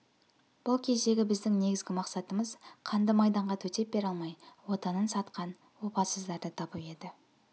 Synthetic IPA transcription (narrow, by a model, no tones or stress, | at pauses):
b̥ʊlˠkʲʰe̞d̪e̞ɡʲɪbɪzd̪ɪŋne̞ɡʲɪzɡʲɪmɑqsɑt̪əməzqʰɑnd̪əmɑjd̪ɑɴʁɑt̪ʰɵt̪e̞p̚be̞ɾɑlˠmɑjwo̞t̪ɑnənsɑt̪qɑn | wo̞pɑsəzd̪ɑɾd̪ət̪ʰɑpəe̞d̪ɪ